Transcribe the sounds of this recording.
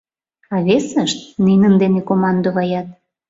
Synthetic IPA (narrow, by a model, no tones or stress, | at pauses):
ɑβesəʃt̪̚ninənd̪enekomɑnd̪oβɑjɑt̪̚